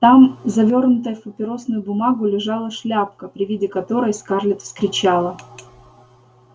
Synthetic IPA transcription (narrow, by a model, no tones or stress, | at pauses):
t̪amzɐvʲo̞rnʊt̪əjəfpəpʲɪɾo̞snʊjʊbʊmaɡʊlʲɪʐɑlˠəʂlʲapkəpɾʲɪvʲidʲɪkɐt̪o̞ɾəjskarlʲɪt̪fskɾʲɪt͡ɕalˠə